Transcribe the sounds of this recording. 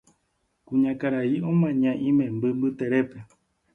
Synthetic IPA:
kuɲãkaɾaiõmãɲãʔĩmẽmbɨmbɨt̪eɾepe

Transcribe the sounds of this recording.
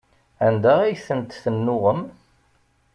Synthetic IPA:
ænd̪ææjθənt̪θənːʊʁəm

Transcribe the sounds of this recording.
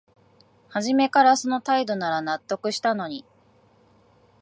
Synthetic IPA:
haʑime̞kaɾaso̞no̞t̪aid̪o̞naɾanat̪ːo̞kɯ̟ɕi̥t̪ano̞ɲ̟i

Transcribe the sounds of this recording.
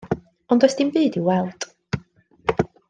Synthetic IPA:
ɔndɔsd̥inbɨːdiwɛlˠd̥ʼ

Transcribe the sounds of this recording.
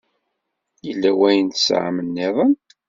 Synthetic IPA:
jəlːæwæjənt̪sʕa̰mənːeðˤən

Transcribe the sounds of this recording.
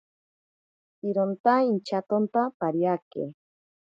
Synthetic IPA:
iɾont̪aint͡ʃat̪ont̪apaɾjakḛ

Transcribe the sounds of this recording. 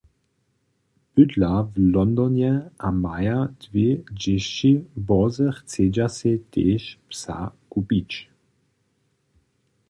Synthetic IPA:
pydlavlɔnd̪ɔnjɛʔamajad̪̥ved͡ʒɛʃt͡ʃibɔzəxt͡sed͡ʒasɛt̪eːʃpsa̰kupit͡ʃ

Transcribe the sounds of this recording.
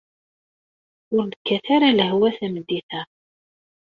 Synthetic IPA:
ʊɾnəkʰːæθaɾaləɦwæθæməd̪ːiθæ

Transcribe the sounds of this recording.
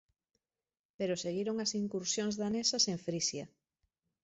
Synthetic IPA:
peɾoseɣiɾoŋasiŋkuɾsjõŋzðanesɐseɱfɾisjɐ

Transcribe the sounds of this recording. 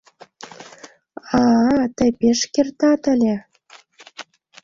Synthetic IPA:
ɑt̪ə̆peʃkert̪ɑt̪ə̆lʲĕ

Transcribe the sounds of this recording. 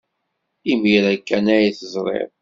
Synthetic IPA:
imiɾækːænæjiθəzˤɾˤḛð

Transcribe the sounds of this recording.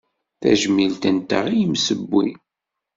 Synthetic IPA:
θæ̰ʒmilt̪ənt̪ə̰ʁijəmsəbːi

